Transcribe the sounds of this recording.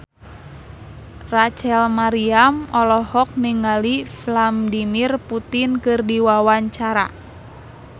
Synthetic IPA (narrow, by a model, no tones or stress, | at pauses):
rat͡ʃɛlmaɾiamɔlɔhɔk̚niŋaliflamdimirput̪inkɨrdiwawaɲt͡ʃaɾa̰